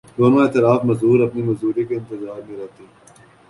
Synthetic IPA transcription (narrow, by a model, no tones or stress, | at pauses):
d̪oːnoeːt̪ɪlaːfmɐzɦuːɾɐpnimɐzuːɾekeɪ̃nt̪ɪzaːɾmẽɾɛɦt̪i